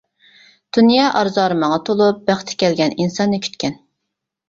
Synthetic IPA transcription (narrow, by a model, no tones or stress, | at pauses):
d̪̥unjɑːʔɑɾzɑːɾɨmɑŋɑt̪ʰolˠup̚b̥æχt̪ʰɪ̥kʲɛlɡʲɛninsɑnːɨkʲʰy̥t̪kʲɛn